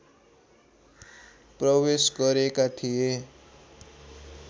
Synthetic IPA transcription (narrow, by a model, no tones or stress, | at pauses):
prʌwesɡʌɾekat̪ʰije